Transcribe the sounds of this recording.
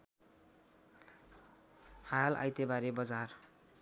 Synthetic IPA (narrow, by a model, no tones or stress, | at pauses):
hajala̰jt̪ebaɾebʌd͡zar